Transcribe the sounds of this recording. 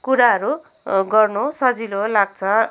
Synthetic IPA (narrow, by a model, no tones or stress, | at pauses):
kuɾaɦʌɾu | ɡʌrnosʌd͡zilolaɡ̚t͡sʰʌ